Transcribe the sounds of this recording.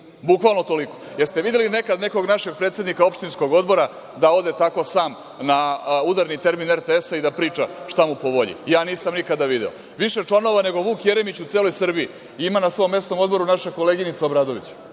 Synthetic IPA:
bukʋalˠnot̪o̞liko̞̥jeɾst̪eʋid̪jeline̞kad̪ne̞ko̞ɡnaʃe̞ɡ̚pɾet̪sjenikao̞pʃt̪insko̞ɡo̞d̪bo̞ɾa | d̪ao̞d̪e̞t̪ako̞saːm | naud̪aɾnit̪e̞ɾmineɾt̪eesaid̪apɾiːt͡ʂaʃt̪amupo̞ʋo̞ʎḭjaːniːsamnikad̪aʋid̪eo̞̰ | ʋiʃe̞t͡ʂlˠano̞ʋane̞ɡo̞ʋuːkjeɾe̞mit͡ɕut̪eːlo̞jsr̩bii | imanasʋo̞jmːe̞st̪o̞mo̞d̪bo̞ɾunaʃako̞leɡinit̪saobɾaːd̪o̞ʋḭt͡ɕu̥

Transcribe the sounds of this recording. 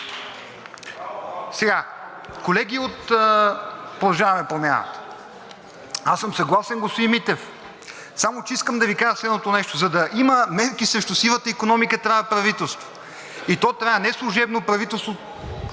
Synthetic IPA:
sɛɡa | kolɛɡʲiot̪əpɾod̪ˠɐʒavɐmɛpɾomʲja̰nə̰t̪ə̥ | asəmsɐɡlˠasɛnɡosimit̪ɛf | samot͡ʃɛiskəmd̪ɐvikaʒəslɛd̪not̪onɛʃt̪ozɐd̪ɐʔiməmɛɾkisɾɛʃt̪ʊsivət̪əikonɔmikət̪ɾaɐpɾɐvit̪ɛlˠst̪vo̥ | it̪ɔt̪ɾaɐnɛslˠuʒɛbnopɾɐvit̪ɛlˠst̪vo

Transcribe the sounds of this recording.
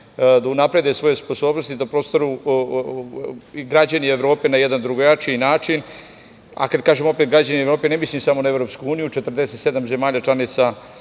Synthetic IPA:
d̪aunapɾe̞d̪jesʋo̞jespo̞so̞ːbnost̪id̪apɾo̞ːst̪oɾu | ɡɾad͡ʑanie̞vɾo̞ːpe̞najed̪and̪ɾuɡojat͡ʃinaːt͡ʂin | a̰kad̪̚kaːʒemo̞pet̪ɡɾad͡ʑanievɾo̞ːpe̞nemislimsamo̞naevɾo̞pskuuːnijut͡ʃe̞t̪rd̪eset̪sed̪amze̞maːʎat͡ʃlˠanit̪sa

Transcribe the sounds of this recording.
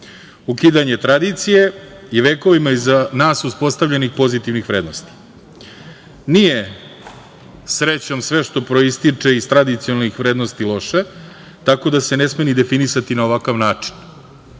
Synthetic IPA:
ukiːd̪aɲe̞t̪ɾad̪it̪sije̞jiʋeːko̞ʋimaizanaːsuspo̞st̪aʋʎʲenixpo̞zit̪iʋnixʋɾed̪nost̪i̥ | nije̞ | sɾet͡ɕo̞msʋeʃt̪o̞pɾo̞ist̪it͡ʂe̞ist̪ɾad̪it̪sionalnixʋɾeːd̪no̞st̪ilˠo̞ʃe | t̪ako̞d̪ase̞nesmenid̪e̞finisat̪inaoʋakaʋnaːt͡ʂi̥n

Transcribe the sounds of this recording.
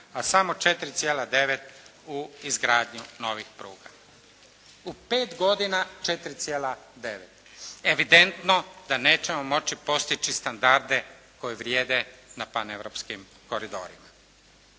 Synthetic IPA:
asamo̞t͡ʃe̞t̪ɾit̪sʲjeːlad̪e̞ʋet̪uizɡɾaːd̪ɲuno̞ʋixpɾuːɡa | upe̞ːt̪ɡo̞d̪inat͡ʃet̪ɾit̪sʲjeːlad̪e̞ʋet̪ | eʋid̪e̞nt̪no̞d̪aneːt͡ʃe̞mo̞mo̞t͡ʃipo̞st̪it͡ʃist̪and̪aɾd̪e̞ | ko̞jeʋɾjeːd̪enapaneʋɾopskim | ko̞ɾid̪o̞̰ːɾima

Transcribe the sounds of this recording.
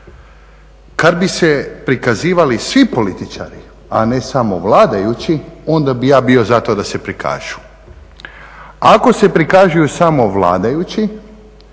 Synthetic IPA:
kad̪bisepɾikaziːʋalisʋipo̞lit̪it͡ʃa̰ɾi | a̰ne̞samo̞ʋlaːd̪ajut͡ɕio̞nd̪abijaːbio̞zat̪o̞d̪ase̞pɾikʰa̰ːʒu̥ | ako̞se̞pɾikaʒujusamo̞ʋlˠa̰ːd̪ajut͡ɕi

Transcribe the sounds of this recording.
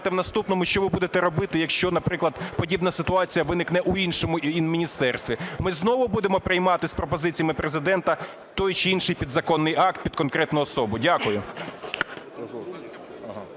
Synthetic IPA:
t̪ɛʋnɐst̪upnɔmʊʃt͡ʃɔʋɪbud̪et̪ɛɾɔbɪt̪ɪjɐkʃt͡ʃɔnɐpɾɪklˠɐd̪pɔdʲibnɐsɪt̪ʊɑt͡sʲijɐʋɪnɪknɛʔʊinʃɔmʊinmʲinʲist̪ɛrst̪ʋʲimɪznɔʋʊbud̪emɔpɾɪjmɑt̪ɪspɾɔpɔzɪt͡sʲijɐmɪpɾezɪd̪ɛnt̪ɐ | t̪ɔjt͡ʃɪinʃɪjpʲid̪zɐkɔnːɪjɑk̚t̪̚pʲid̪̚kɔnkɾɛt̪nʊjʊɔsɔbʊdʲakʊjʊ | ɦ

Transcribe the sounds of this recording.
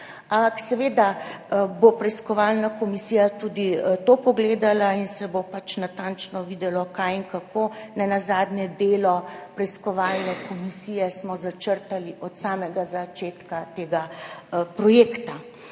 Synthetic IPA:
ampaksɛʋeːd̪abopɾɛjskɔʋalnakɔmisiːjat̪uːd̪it̪opɔɡleːd̪alainsɛbopat͡ʃnat̪ant͡ʃnɔʋiːd̪ɛlɔkajiŋkakonɛnazaːd̪njɛd̪eːlɔpɾɛjskɔʋalnɛkʰɔmisiːjɛsmɔzat͡ʃəɾt̪aliʔɔt̪saːmɛɡazat͡ʃeːt̪kat̪eːɡapɾɔjekt̪a

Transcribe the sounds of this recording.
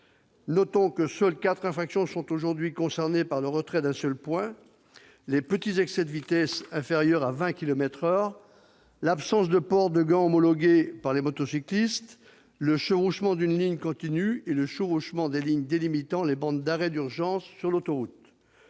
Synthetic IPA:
nɔt̪ɔ̃kəsœlkat̪χɛ̃faksjɔ̃sɔ̃t̪oʒuʁd̪ɥikɔ̃sɛʁnepaʁləʁət̪χɛd̪ɛ̃sœlpwɛ̃ | lepət̪izɛksɛd̪əvit̪ɛsɛ̃feʁjœʁavɛ̃kʲilɔmɛt̪χœʁ | lapsɑ̃sd̪əpɔʁd̪əɡɑ̃ɔmɔlɔɡʲepaʁlemɔt̪ɔsiklist̪ | ləʃəʁuʃmɑ̃d̪ynliɲkɔ̃t̪inyeləʃəʁuʃmɑ̃d̪eliɲd̪elimit̪ɑ̃lebɑ̃d̪d̪aʁɛd̪yʁʒɑ̃sːyʁlot̪ɔʁut̪

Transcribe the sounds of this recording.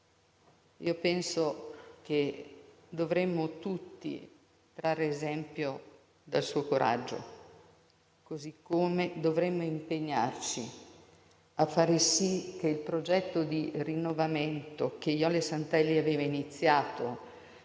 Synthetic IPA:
ḭopɛnsok̟e | d̪ovɾemːot̪ut̪ːḭ | t̪ɾaːɾeːzɛmpjo | d̪alsuːokoɾʔa̰d͡ʒːo̰ | kozikːomed̪ovɾemːoimpeɲːart͡ʃi | afːaːɾesik̟eilpɾod͡ʒɛt̪ːod̪irinːovament̪ok̟ejɔlesant̪ɛlːiaveːvainit̪sːjaːt̪o

